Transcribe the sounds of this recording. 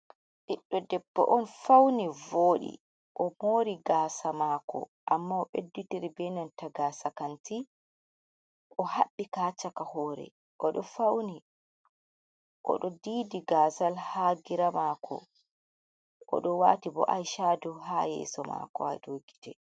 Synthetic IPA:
ɗiɗːɔdɛbːɔ̰ʔɔnfawnivoːɗḭ | ʔɔmoːɾiɡaːsamaːkʰɔ̰ʔamːaɔɓedːutiɾibɛnantaɡaːsakanti | ʔɔhaɓːikaːt͡ʃakahɔːɾɛ̰ | ʔɔɗɔfawni | ʔɔ̰ɗɔdiːdiɡaːsalhaːɡiɾamaːkʰɔ̰ | ʔɔ̰ɗɔwa̰ːtibɔ̰ʔajʃaːduɦajɛ̰sɔma̰kɔ̰a̰jdoːɡi̥tɛ

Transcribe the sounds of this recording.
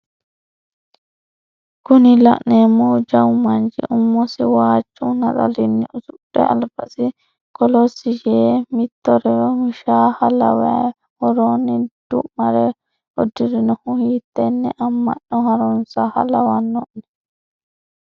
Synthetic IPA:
kʊnɪlɐ̰ʔneːmːɔd͡ʒɐwmɐnd͡ʒɪ̰ʔʊmːɔsɪwaːt͡ʃʼːunɐt͡sɐ̰lɪnːɪʔʊsʊɗɛ̰ɐ̰lbɐsɪ | kɔlɔsːɪd͡ʒeːmɪt̪ːɔɾɛɾɔʊʃaːhɐlɐ̰wɛ | hɔɾoːnːɪd̪̥ʊ̰ʔmɐɾɛ | ɔd̪ɪɾɪnɔhʊhiːt̪ːɛnːɛʔɐmːɐ̰ʔːɔhɐɾɔnsɐhɐ̰lɐwɐnːɔʔnɛ̥

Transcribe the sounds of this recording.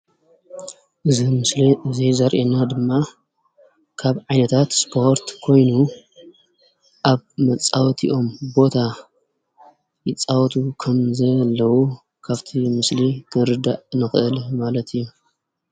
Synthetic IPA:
ʔɨiɨɨzizɐɾʔenad̪ɨmːa | kʰaβʕajnɐt̪ʰat̪spʰo̞ɾt̪kʰo̞jnu | ʔaβmɐt͡sʼawt̪ʰḭʔo̞mbo̞t̪ʰa | jɪt͡sʼawt̪ʰukʰɐmzɐlːɐwu | kʰaβt̪ʰimɨslit̪ʰɨɾɨd̪aʔnɨxɨʔɨlmalɐt̪ʰɨjːu

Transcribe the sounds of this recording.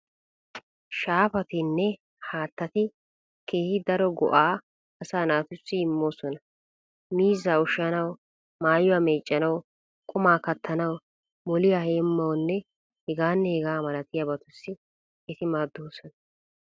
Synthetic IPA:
ʃaːfɐt̪ɪnːɛ | haːt̪ːɐt̪ɪ | ke̞ːhɪd̪ɐɾɔɡɔ̰ʔaː | ɐsaːnaːt̪ʊsːɪɪmːo̞ːsɔnɐ | miːzaːʊʃanɐw | maːjʊaːmeːt͡ʃʼːɐnɐw | kʼʊmaːkɐt̪ʰːɐnɐw | mɔlɪjaːheːmːɐwnːɛ | hɛɡaːnːɛhɛɡaːmɐlɐt̪ɪjabɐt̪ʊsːɪ | ɛt̪ɪmaːd̪ːoːsɔnɐ̥

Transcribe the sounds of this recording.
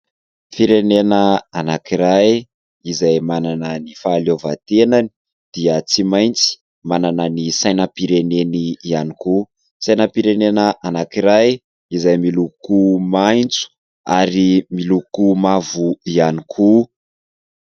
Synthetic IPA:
fiɾenenəanakiɾaj | izajmananənifaːlovat̪enani̥ | d̪̥iət͡simajnt͡si̥ | mananənisajnəpiɾeneniianiku | sajnəpiɾenenəʔanakiɾaj | izajmilukumajnt͡su̥ | aɾimilukumavuianikʰu

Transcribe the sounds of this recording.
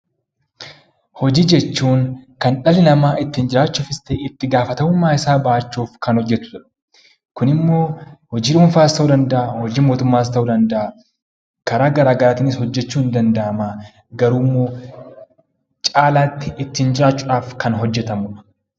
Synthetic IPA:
hɔd͡ʒiːd͡ʒɛt͡ʃːuːŋkɐnᶑɐlɪnɐmaːʔɪt̪ːɪnd͡ʒɪɾaːt͡ʃːʊːfɪst̪eːɪt̪ːɪɡaːfɐt̪ɐmʊmːaːɪsaːbɐʔːt͡ʃːuːfkɐnhɔd͡ʒːɛt̪ʊ̥t̪ʊᶑɐ̥ | kʊnɪmːo̞ːhɔd͡ʒiːᶑʊmfaːɪst̪ːɐʊd̪ɐnd̪ɐʔaːhɔd͡ʒiːmoːt̪ʊmːaːɪs̬t̪ɐuːd̪ɐnd̪ɐʔa | kɐɾaːɡɐɾaːɡɐɾaːt̪ɪnɪshɔd͡ʒːɛt͡ʃːuːɪnd̪ɐnd̪ɐʔɐmaː | ɡɐɾuːmːo̞ː | t͡ʃʼaːlaːt̪ːɪɪt̪ːɪnd͡ʒɪɾaːt͡ʃːʊᶑaːfkɐnɦɔd͡ʒːɛt̪ɐmʊᶑɐ̥

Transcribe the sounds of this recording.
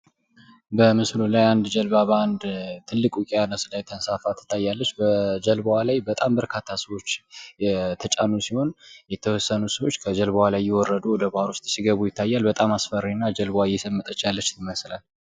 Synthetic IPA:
bəmɨslulajand̪d͡ʒəlbaband̪t̪ʰɨlːɨkʼukʼijanəslajt̪ʰənsafat̪ʰːɨ̥t̪ʰːajːalːət͡ʃːbəd͡ʒəlbəwalajbət̪ʼambəɾkʰat̪ʰːasəwo̞t͡ʃː | t̪ʰət͡ʃʼanːusiho̞njɛt̪ʰəwɔsːənusəwot͡ʃːkʰəd͡ʒəlbawalajːɛwɔrːəd̪uwɔd̪əbaɾust̪ʼsiɡəβujɪt̪ʰːajːalbət̪ʼamasfəɾiinːad͡ʒəlbwajɛsəmːɨt̪ʼət͡ʃːjalːət͡ʃːt̪ʰɨməslal

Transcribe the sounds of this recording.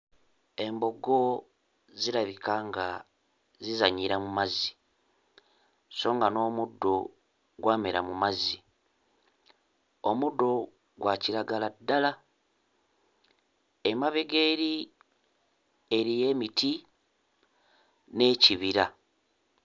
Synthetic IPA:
e̞mbo̞ɡo̞ | ziɾaβikaŋɡa | zizaɲiɾamumazi | so̞ːŋɡano̞ːmudːo̞ | ɡwaːmeɾa̰mumazi | omudːo̞ | ɡwaciɾaɡaladːala | emaβe̞ɡeːɾi | eɾije̞ːmitʰi | ne̞ːciβiɾa

